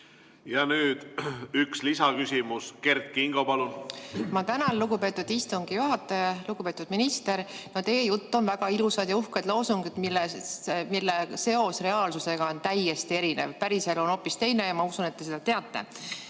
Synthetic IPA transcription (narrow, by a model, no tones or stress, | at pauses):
jɑnyːd̪̥ykslisɑkysʲimuske̞rt̪̚kiŋɡ̥opɑlunmɑt̪ænɑlluɡ̥upe̞ːt̪ːˑud̪̥ist̪uŋɡ̥ijuɦɑt̪ːˑɑjɑluɡ̥upe̞t̪ːˑud̪̥minist̪e̞ɾnot̪eːjut̪ːo̞nvæɡ̥ɑilusɑd̪jɑuhked̪loːsuŋɡid̪milːemilːese̞o̞sre̞ɑːlsuse̞ɡ̥ɑont̪æjːest̪ie̞ɾine̞̰vpæɾise̞lo̞no̞pːˑist̪e̞jne̞jɑmɑusunet̪ːe̞sed̪̥ɑt̪eɑt̪ːe̞̰